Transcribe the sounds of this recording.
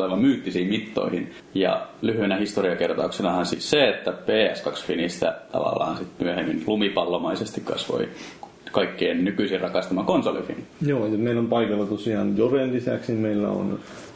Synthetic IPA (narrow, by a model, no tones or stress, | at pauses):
leʋɑmmyːt̪ːisiːimmit̪ːo̰ihin | jɑ̰lyhyenæhist̪oriɑkert̪ɑuksenɑhɑnsḭːsseet̪ːæpeːæskɑksfinist̪æ̰t̪ɑ̰ʋɑ̰lːɑ̰ːɑnsit̪myæhemːinlumipɑlːomɑisest̪ikkɑ̰sʋo̰i | kɑikːeiːnnykyisirɑkɑst̪ɑmɑkonsolḭfḭnjoːjɑmeilompɑikɑlːɑt̪osiɑːnjorenlisæksimeilːæ̰o̰n